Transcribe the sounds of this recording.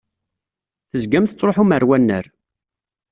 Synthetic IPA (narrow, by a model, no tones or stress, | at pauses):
θəzɡæmθət͡sːɾˤoħuməɾwænːə̰ɾ